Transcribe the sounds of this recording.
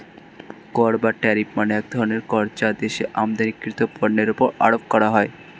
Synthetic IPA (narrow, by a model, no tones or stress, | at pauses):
kɔɾbaʈɛɾipmaneɛk̚d̪ʱɔɾoneɾkɔɾt͡ɕad̪eʃeʔamd̪anikːɾit̪opɔɾneɾupoɾa̰ɽop̚kɔɾaɦɔe